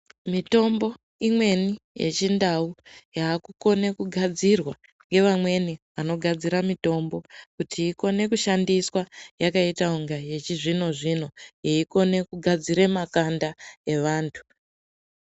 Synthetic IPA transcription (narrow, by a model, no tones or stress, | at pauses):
mito̞mbo̞ | imwe̞nije̞̰t͡ʃindaujaːkuko̞ne̞kuɡʱad͡zirwa | ŋɡe̞ʋamwe̞niʋano̞ɡʱad͡ziɾamito̞mbo̞kutʰiːko̞ne̞kuʃandiswajakaitauŋɡaje̞t͡ʃiʐino̞ʐino̞jeiko̞ne̞kuɡʱad͡ziɾemakandae̞ʋaːntʰu̥